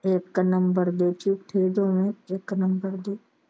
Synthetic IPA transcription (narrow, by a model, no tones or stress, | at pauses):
eːkːanɐmbəɾd̪eːt͡ʃʰukʈ̪ʰeːɖ̪õmẽeːkːanɐmbəɾd̪eː